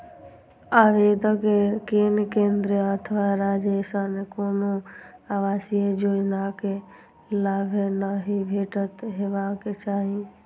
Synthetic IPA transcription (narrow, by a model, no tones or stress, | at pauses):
aːʋed̪əkekeːnkẽːnd̪ɾeət̪ʰʋaɾaːd͡ʒeːsanekoːnoaːʋaːsijed͡ʒoːd͡ʒnake | laːbʱenaːɦibʱeːʈət̪ɦeːʋaket͡ʃaːɦi